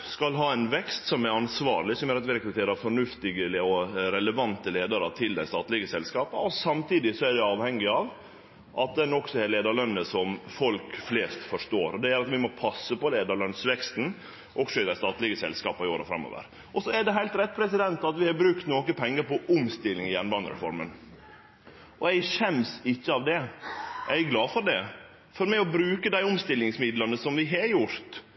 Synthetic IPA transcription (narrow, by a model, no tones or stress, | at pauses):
skɑlɦɑːænʋɛkst̪sɔmæɾɑnsʋɑ̰ːɾɭɪsɔmjøːɾɑt̪ʋɪɾɛkɾʉt̪ʰeːɾəɑfɔɳʉft̪ɪɡəlɔɾɛləʋɑnt̪əleːd̪ɑɾət̪ʰɪld̪æɪst̪ɑːt̪lɪɡəsɛlskɑːpəɔsɑmt̪iːd̪ɪsɔæɖɛɑːʋhɛŋːɪɑːʋ | ʔɑt̪̚d̪ɛnɔksɔɛleːd̪ɑɭœnːəsɔmfɔlkfleːst̪fɔʂʈ̪oːɾɔd̪ɛjɛɾɑt̪ʋɪmɔpʰɑsːəpɔleːd̪ɑɾɭœnsʋɛkst̪n̩ | ʔɔksɔɪd̪æst̪ɑːt̪lɪɡəsɛ̰lskɑːpɑɪoːɾə̰fɾɑ̰mːo̰ːʋə̰ɾ | ʔɔsɔæɖɛɦæɪlt̪ɾɛt̪̚ːpʰɾɛsɪd̪ɛnt̪ɑt̪ʋɪhɑbɾʉkt̪noːkəpʰɛŋːəɾpɔʔʊmst̪ɪlːɪŋɪjɛnbɑnə̰ɾɛ̰fɔ̰ɾmə̰n | ʔɔæɪʃɛmsɪçːəɑʋd̪ɛʔæɪɡlɑːfɔɾɖɛ | fɔɾmɛɪɔbɾʉːkəd̪æɪʊmst̪ɪlːɪŋsmɪd̪lənəsɔmʋɪɦɑɾjʊɾt̪